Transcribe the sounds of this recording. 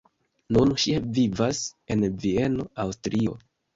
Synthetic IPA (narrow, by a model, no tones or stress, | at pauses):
nunʃivivase̞nvie̞no̞awstɾio̞